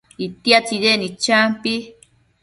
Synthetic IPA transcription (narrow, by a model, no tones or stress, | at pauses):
it̪jat͡sidenit͡ʃampi